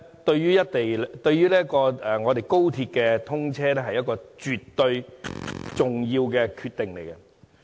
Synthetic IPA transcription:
t̪ɵ˧ɥjyː˥jɐ˥t̚t̪e˨jt̪ɵ˧ɥːyː˥lɛː˥kɔː˧ɛ˨ŋɔː˨˧t̪e˨˩jko˥wt̪ʰiː˧t̚kɛː˧t̪ʰʊ˥ŋt͡sʰɛː˥lɛː˥ɦɐ˨jɐ˥t̚kɔː˧t͡ʃyː˨tt̪ːɵ˧ɥ | t͡sʊ˨ŋjiː˧wkɛː˧kʰyː˧t̪ːɪ˨ŋle˨jkɛ˧

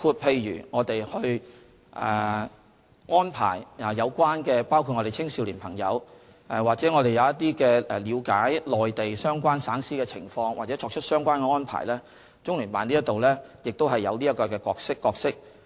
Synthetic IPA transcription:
kʰuː˧t̚pʰe˧jɥy̰ː˨˩ŋɔː˨˧t̪e˨jhɵ˧ɥ | ʔɛ̰ː˨ | ŋɔː˥npʰa̰ː˨˩ja˨˩jɐ˨˧wkʷaː˥nkɛː˧paː˥wkʰu˧t̚ŋɔ˨˧ɾe˨jt͡sʰɪ˥ŋsiː˧wliː˨˩npʰɐ˨˩ŋjɐ̰˨˧w | ʔɛ˨˩waː˨k̚t͡sɛː˨˦˥ŋɔː˨˧ɾe˨jɐ˨˧wjɐ˥t̪̚iː˥kɛː˧ɛ˨liː˨˧wkaː˨˥jlɔː˨jt̪e˨jsœː˥ŋkʷaː˥nsaː˨˥ŋsiː˥kɛː˧t͡sʰɪ˨˩ŋfɔː˧ŋwaː˨k̚t͡sɛː˨˦t͡ʃʰɔː˧k̚t͡ʃʰɵ˥t̚sœː˥ŋkʷaː˥nkɛ˧ŋɔː˥npʰa̰ː˨˩jlɛː˥ | t͡sʊ˥ŋlyː˨˩paː˨˩nliː˥jɐ˥t̪o˨wlɛː˥jɪ˨k̚t̪o˥wɦɐ˨jːɐ̰˨˧wliː˥ɐ˥kɔː˧kɛː˧kɔː˧k̚sɪ˥kːɔː˧k̚sɪ˥k̚

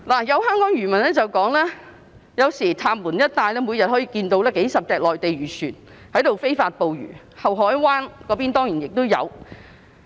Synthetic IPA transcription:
laː˨˩jɐ˨˧whœː˥ŋkɔː˨˥ŋjɥyː˨˩mɐ˨˩nɛː˥t͡sɐ˨wkɔː˨˥ŋlɛː˥ | jɐ˨˧wsiː˨˩t̪ʰaː˧mmuː˨˩njɐ˥t̚t̪aː˧jlɛː˥mu˨˧jɐ˨t̚hɔː˨˥jiː˨˧kiː˧nt̪o˧wlɛː˥ke˨˥jsɐ˨p̚t͡sɛː˨k̚lɔː˨jt̪e˨jɥyː˨˩syː˨˩n | hɐ˨˥jt̪o˨wfe˥jfaː˧t̚po˨˧wjy̰ː˨˩ | hɐ˨wɦɔː˨˥jwaː˥nkɔː˨˧˥piː˥nt̪ɔː˥ŋjiː˨˩njɪ˨k̚t̪o˥wjɐ̰˨˧w

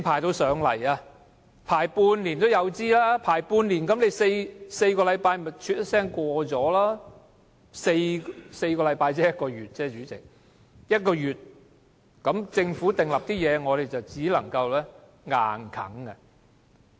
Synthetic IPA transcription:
pʰaː˨˩jt̪o˧wsœː˨˧ŋlɐ̰˨˩jaː˧ | pʰaː˨˩jpuː˧nliː˨˩nt̪o˥wjɐ˨˧wt͡siː˥laː˥pʰaː˨˩jpuː˧nliː˨˩nkɐ˨˥mne˨˧jse˧jse˧jkɔː˧lɐ˨˥jpaː˧jm˨˩t͡ʃʰyː˧t̚jɐ˥sɛː˥ŋkʷɔː˧t͡sɔː˨˥laː˥ | se˧jse˧jkɔː˧lɐ˨˧jpaː˧jt͡sɛː˥jɐ˥t̚kɔː˧ɥyː˨˩t̚t͡sɛː˥t͡ʃyː˨˥t͡sɪ̰˨k̚ | jɐ˥t̚kɔː˧jyː˨˩t̚ | kɐ˨˥mt͡sɪ˧ŋfuː˨˥t̪ɪ˨ŋlɐ˨p̚t̪iː˥jɛː˨˧ŋɔː˨˧ɾe˨jt͡sɐ˨wt͡siː˨˥lɐ̰˨˩ŋkɐ˧wlɛː˥ | ŋa̰ː˨nkʰɐ̰˨˥ŋɐ˧

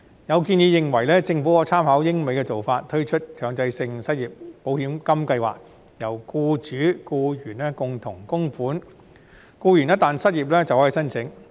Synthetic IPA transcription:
jɐ˨˧wk̬iː˧nji˨˧jɪ˨ŋwɐ˨˩jlɛː˥t͡sɪ˧ŋfu˨˥kɔː˨˧˥t͡sʰaː˥mhɐː˨˥wjɪ˥ŋme˨˥jkɛː˧t͡so˨wfaː˧t̚t̪ʰɵ˥ɥt͡ʃʰɵ˥t̚kʰœː˨˥˩ŋt͡sɐ˧jsɪ˧ŋsɐ˥t̚jiː˨p̚po˨˥wɦiː˨˥mkɐ˥mkɐ˧jwa̰ː˨k̚ | jɐ˨˩wkuː˧t͡ʃyː˨˥kuː˧jyː˨˩nɛː˥kʊ˨ŋt̪ʰʊ˨˩ŋkʊ˥ŋfuː˨˥n | kuː˧jyː˨˩nɛ˥t̪aː˨˩nsɐ˥t̚jiː˨˩p̚lɛː˥t͡sɐ˨whɔː˨˥˨jsɐ˥nt͡sʰɪ˨˥ŋ

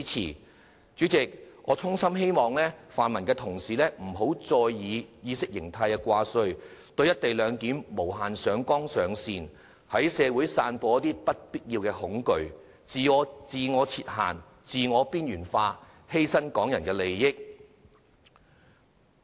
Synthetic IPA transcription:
t͡sʰḭː˨˩ | t͡syː˨˥t͡sɪ˨k̚ʔɔ̰ː˨˧t͡sʰʊ˥ŋsɐ˥mɦe˥jmɔː˨ŋlɛː˥faː˨nmɐ˨˩nkɛː˧t̪ʰʊ˨˩ŋsiː˨lɛː˥m̩˨˩ɦo˨˥wt͡sɔː˧jːiː˨˧jiː˨˧sɪ˥k̚jɪ˨˩ŋt̪ʰɐ˧jkɛː˧kʷaː˧sɵ˧ɥt̪ɵ˧ɥjɐ˥t̚t̪e˨jlœː˨˧ŋkiː˨˥mmo˨˩wɦaː˨nsœː˨˧ŋkɔː˥ŋsœː˨ŋsiː˧n | hɐ˨˥jsɛː˨˧wuː˨˥jsaː˧npɔː˧jɐ˥t̪iː˥pɐ˥t̚piː˥t̚jiː˧wkɛː˧hʊ˨˥ŋkɵ˧ɥ | t͡siː˨ɔː˨˧t͡siː˨˧ŋɔː˨˧t͡sʰiː˧t̚ha̰ː˨˩n | t͡siː˨ŋɔː˨˧piː˥njyː˨˩nfaː˧ | he˥jsɐ˥nkɔː˨˥ŋjɐ˨˩nkɛː˧le˨jːɪ˥k̚

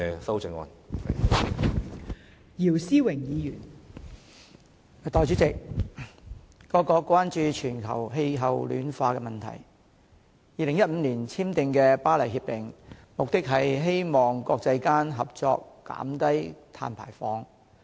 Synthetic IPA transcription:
ɛ˧sɐ˥wt͡sɪ˧ŋɔ̰ː˧n˨ | jiː˨˩wsiː˥wɪ˨˩ŋjiː˨˧jyː˨˩n˨ | t̪ɔː˨˧jt͡ʃyː˨˥t͡sɪ˨k̚ | ɔː˧kɔː˧kːwaː˥nt͡ʃyː˧t͡ʃʰyː˨˩nkʰɐ̰˨˩wɦe˧jɦɐ˨wly̰ː˨˥nfaː˧kɛː˧mɐ˨nt̪ʰɐ̰˨˩j | jiː˨lɪ˨˩ŋjɐ˥t̚m̩ː˨˧liː˨˩nt͡sʰiː˥mt̪ɪ˨˧ŋkɛː˧paː˥lɐ˨˩jhiː˧p̚t̪ɪ˨ŋmʊ˨k̚t̪ɪ˥k̚ɦɐ˨jɦe˥jmɔː˨˩ŋkɔː˧k̚t͡sɐ˧jkaː˥nɦɐ˨p̚t͡sɔ̰ː˧kːa̰ː˨˥mt̪ɐ˥jt̪ʰa̰ː˧npʰa̰ː˨˩jfɔː˨˧˥ŋ

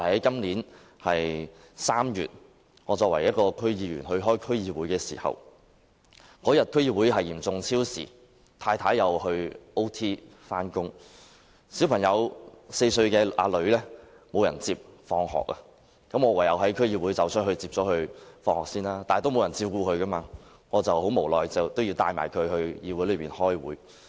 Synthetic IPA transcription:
hɐ˨˦jkɐ˥mliː˨˥n | hɐ˨j | saː˥mjyː˨t̚ | ŋɔː˨˧t͡sɔː˧k̚wɐ̰˨˩jɐ˥t̚kɔː˧kʰɵ˥ɥjiː˨˧ɥy̰ː˨˩nhɵ˧ɥɦɔː˥jkʰɵ˥ɥjiː˧wu˨˥jkɛː˧siː˨˩hɐ̰˨w | kɔː˨˥jɐ˨t̚kʰɵ˥jiː˧wuː˨˥jɦɐ˨˩jiː˨˩mt͡sʊ˨ŋt͡sʰiː˥wsḭː˨˩ | t̪ʰaː˧jt̪ʰaː˨˥jːɐ˨˧whɵ˧ɥo˥wt̪ʰiː˥faː˥nkʊ˥ŋ | si˨˥wpʰɐ˨˩ŋjɐ˨˧wse˧jsɵ˧ɥkɛː˧aː˧lɵ˨˧ɥlɛː˥ | mo˨˧wjɐ˨˩nt͡siː˧p̚fɔː˧ŋhɔ̰ː˨k̚a˧ | kɐ˨˥mŋɔ˨˧wɐ˨˩jɐ˨˧wɦɐ˨˥jkʰɵ˥ɥjiː˧wuː˨˥jt͡sɐ˨˧wsʰnhɵ˧ɥt͡siː˧p̚t͡sɔː˨˥hɵ˧ɥfɔː˧ŋhɔː˨k̚siː˥naː˥t̪aː˨˩t̪o˥wmo˨˧wjɐ˨˩nt͡siː˧pkuː˧kʰɵ˨˧ɥka˥maː˧ | ŋɔː˨˧t͡sɐ˨˩who˨˥wmo˨˩wlɔː˨jt͡sɐ˨wt̪o˥wji˧wt̪aː˧jma̰ː˨˩jkʰɵ˨˧hɵ˧ɥjiː˧wu˨˥lɵ˨˧piː˨nhɔː˥jwuː˨˥j

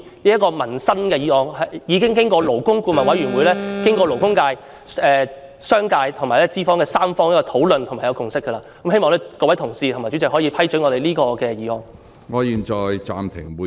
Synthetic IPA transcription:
liː˥jɐ˥kːɔː˧mɐ˨˩nsɐ˥nkɛː˧jiː˨˧ɔː˨˩ŋhɐ˨jiː˨˧kɪ˥ŋk̬ɪ˥ŋkɔː˧lo˨˩wkʊ˥ŋkuː˧mɐ˨˩nwɐ˨˥jɥyː˨˩nwuː˨˧jlɛː˥kɪ˥ŋkɔː˧lo˨˩wkʊ˥ŋkaː˧j | ɛː˧ | sœː˥ŋkaː˧jt̪ʰʊ˨˩ŋmaː˨˩lɛː˥t͡siː˥fɔː˥ŋkɛː˧saː˥mfɔː˥ŋjɐ˥kːɔ˧t̪ʰo˨˥wlɵ˨nt̪ʰʊ˨˩ŋmaː˨jɐ˨˧wkʊ˨˧ŋsɪ˥kːə˧laː˧kɐ˨˥mhe˥jmɔː˨˧ŋlɛː˥kɔː˧wjt̪ʰŋsiː˧t̪ʰʊ˨˩maː˨˩t͡ʃy˨˥t͡sɪ˨k̚hɔː˨˥jiː˨˧pʰɐ˥jt͡ʃɵ˨˥ŋɔː˨˧ɾe˨jliː˥kɔː˧kɛː˧jiː˨˧hɔː˨˩ŋ | ŋɔː˨˧jiː˨˩nt͡ʃɔː˨˧jt͡sa̰ː˨mt̪ʰɪ̰˨˩ŋwu˨˧

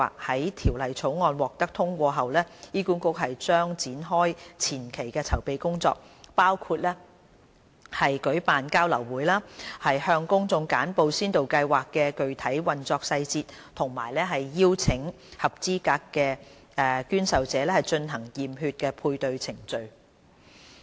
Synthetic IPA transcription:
a̰ː˨˩k̚hɐ˨˥jt̪ʰiː˨˩wlɐ˨˩jt͡sʰo˨˥wŋɔː˨˧nwɔː˨k̚t̪ɐ˥k̚t̪ʰʊ˥ŋkʷɔː˧ɦɐ˨wlɛː˥jiː˥kuː˨˥nkʊ˥k̚hɐ˨jt͡ʃœː˥ŋt͡siː˨˥nɦɔː˥jt͡sʰiː˨˩nkʰe˨˩jkɛː˧t͡sʰɐ˨˩wpe˨˧jkʊ˥ŋt͡sɔ̰ː˧k̚paː˥wkʰuː˧t̚lɛː˥ | hɐ˨jkɵ˨˥ɥpaː˨nkaː˥wlɐ˨˩wwuː˨˥jlaː˥hɐ˨jhœː˧ŋkʊ˥ŋt͡sʊ˧ŋkaː˨˥npo˨˧wsiː˥nt̪o˨wkɐ˧jwaː˨˩kːɛː˧kɵ˨ɥt̪ʰɐ˨˥jwɐ˨nt͡sɔː˧k̚sɐ˧jt͡siː˧t̚t̪ʰʊ˨˩ŋma̰ː˨˩jlɛː˥ɦɐ˨jːiː˥wt͡sʰɪ˨˥ŋ | hɐ˨p̚t͡siː˥kaː˧kːɛː˧ | ɛ˨˧kyː˥nsɐ˨wt͡sɛː˨˦lɛː˥hɐ˨jt͡ʃɵ˧nhɐ˨˩ŋjiː˨mɦyː˧t̚kɛː˧pʰuː˧jt̪ɵ˧ɥt͡sʰɪ˨˩ŋt͡sɵ˨ɥ

